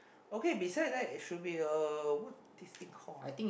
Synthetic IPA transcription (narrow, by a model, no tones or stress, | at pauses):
okebisaɪd̚dɛtitʃut̚biəəwut | dist̪ĩŋkʰɔa̰jt̪ĩŋ